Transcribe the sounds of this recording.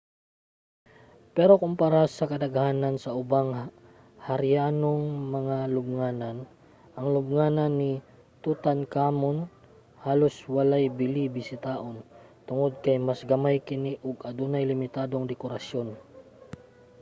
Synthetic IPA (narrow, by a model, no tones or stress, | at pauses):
pɛɾo̞kʊmpaɾasɐkɐd̪ɐɡahaːnɐnsɐʔʊbaŋ | hɐɾɪjaːnoŋmɐŋalʊb̚ŋaːnan | ʔɐŋlʊb̚ŋaːnɐnːi | t̪ut̪ankaːmon | haːlo̞swɐlajbɪlibɪsɪt̪aːʔont̪ʊŋod̪̚kɐjmasɡɐmajkɪniʔʊɡɐd̪uːnajlɪmɪt̪aːd̪oŋd̪ɛkoɾɐsjo̞n